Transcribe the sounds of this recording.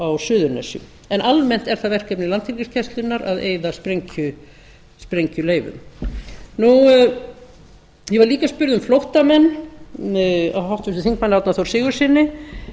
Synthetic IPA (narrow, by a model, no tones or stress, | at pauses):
awsʏːðʏɾnɛ̰sjʏ̰ | ɛnalmɛn̥t̪ɛɾ̥θaðvɛr̥kɛpnɪlant̪filcɪscʰɛst̪lʏnːaɾa̰ðḛːjðaspɾeɲcʏ | spɾejɲcʏleːjvʏ̰m | nu | jɛvaɾliːkaspʏɾðʏmflowht̪amɛnː | aɦawht̪vɪsʏ̥θiŋkmanːawt̪naθowɾ̥sɪːɣʏɾ̥sɪnːɪ